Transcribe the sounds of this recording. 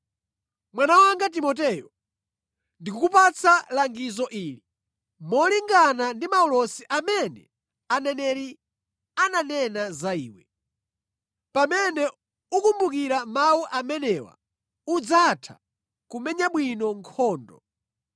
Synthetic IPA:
mwanawaŋɡat̬imɔt̬ɛjɔ | ndikukupat͡sʰalaŋɡizɔʔiːli | mɔliŋɡanandimaɔlɔsiʔamɛnɛ̰ | anɛnɛɾi | ananɛnazaiːwɛ | pamɛnɛ | ukumbukiɾamawuʔamɛnɛwa̰ | ud͡zatʰa̰ | kumɛɲaɓwinɔŋkʰɔːndɔ̰

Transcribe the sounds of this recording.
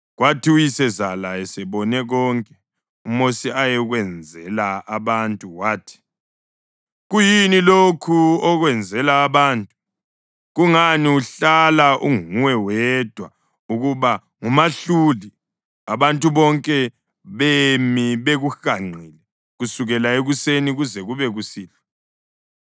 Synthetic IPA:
ɣwatʰiujisɛzalaɛsɛβɔnɛɣɔŋkʼɛ | umosiajɛɣwɛnd͡zʱɛlaaβantʼuwaːtʰi̥ | ɣujinilokʰuɔɣwɛnd͡zʱɛlaːβaːntʼu | ɣuŋaniuɬalaʔuŋuwɛwɛd̥ʱwa | uɣuβa | ŋumaɬuli | aβantʼuβɔŋkʼɛ | βemiβeɣuxaŋ͡ǀiːlɛ | ɣusuɣɛlaeɣuseniɣuzɛɣuβɛɣusiːlɔ

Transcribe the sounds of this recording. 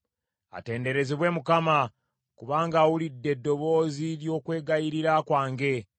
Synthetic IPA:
a̰te̞ːnde̞ɾe̞ziβwe̞mukama | kuβaːŋɡawulidːe̞dːo̞βo̞ːziljo̞ːkwe̞ːɡajiɾiɾakwaːŋɡe̞

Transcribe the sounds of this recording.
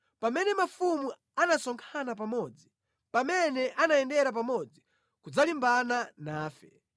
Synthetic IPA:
pamɛnɛmafumu | anasɔŋkʰanap̬amɔd͡zi | pamɛnɛʔanaɛndɛɾap̬amɔd͡zi | kud͡zalimbananaːfɛ

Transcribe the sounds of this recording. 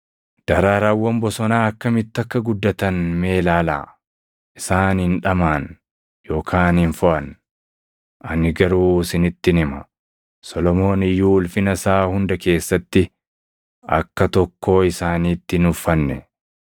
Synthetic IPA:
d̪̥ɐɾaːɾawːɐmbɔsɔnaːɐkːɐmɪt̪ːɐkːɐɡʊd̪ːɐt̪ɐnme̞ːlaːla̰ː | ʔɪsaːnhɪnᶑɐmaːn | jo̞ːkʰaːnhnfʊʔɐn | ʔɐnɪɡɐɾuːsɪnɪt̪ːɪnɪmɐ | sɔlɔmo̞ːnɪjːuːʊlfɪnɐsaːhʊnd̪ɐke̞ːsːɐt̪ːɪ | ɐ̰kːɐt̪ɔkːo̞ːɪsaːniːt̪ːɪnʊfːɐnːɛ̰

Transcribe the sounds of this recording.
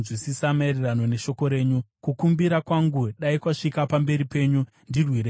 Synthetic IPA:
zwisisamaerirano̞ne̞ʃo̞ko̞ɾe̞ːɲukukumbiɾakwaŋɡuɗaikwaʂikapambe̞ɾipe̞ːɲu | ndirwiɾe

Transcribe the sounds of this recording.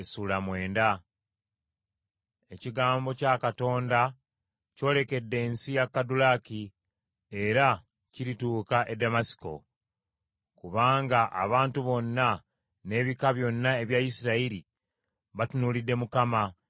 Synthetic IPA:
esulamwe̞ːnda | e̞ciɡaːmbo̞cakato̞ːnda | co̞ːle̞ke̞dːe̞ːnsijakːadulaki | e̞ɾa | ciɾituːkaʔe̞damasi̥ko̞̰ | kuβaːŋɡaʔa̰βaːntuβo̞nːa | ne̞ːβikaβjo̞nːae̞βjaisiɾaiɾi | βatunulidːe̞mukama

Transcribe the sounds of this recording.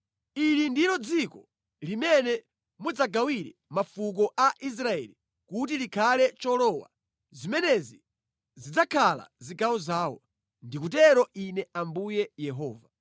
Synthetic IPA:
ilindilɔd͡zikɔ | limɛnɛ | mud͡zaɡawiɾɛmafuk̬ɔʔaʔis̬ɾaɛ̰li | kut̬ilikʰalɛt͡ʃɔlɔwa̰ | zimɛnɛzi | zid͡zakʰala̰ziɡawɔzaːwɔ̰ | ndikutɛɾɔʔinɛambujɛjɛɦɔːva

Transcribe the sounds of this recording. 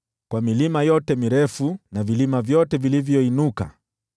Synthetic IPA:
kwamilimajɔtɛmiɾɛfunavilimavjɔtɛvilivjɔinuka̰

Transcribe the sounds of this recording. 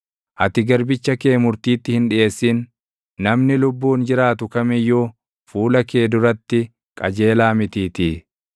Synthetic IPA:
ʔɐt̪ɪɡɐɾbɪt͡ʃːɐkeːmʊɾt̪iːt̪ːɪhɪnᶑɪje̞ːsːiːnː | ɐmnɪlʊbːuːnd͡ʒɪɾaːt̪ʊkɐmɪjːuː | fuːlɐke̞ːd̪ʊɾɐt̪ːɪ | kʼɐd͡ʒe̞ːlaːmɪt̪iːt̪iː

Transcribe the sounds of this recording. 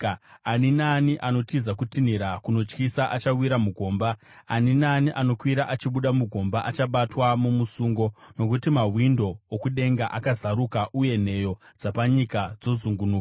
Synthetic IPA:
aninaniʔano̞tizakutiniɾakuno̞t͡ʃkisaʔat͡ʃawiɾamuɡʱo̞ːmba | aninaniʔano̞kwiɾaʔat͡ʃiɓuɗamuɡʱo̞mbaʔat͡ʃaɓatwamumusuːŋɡo̞no̞kutimaɦwindo̞ːkuɗe̞ŋɡaʔakazaɾukaʔuje̞n̤e̞jo̞ | d͡zapaɲikad͡zo̞zuŋɡunuːka

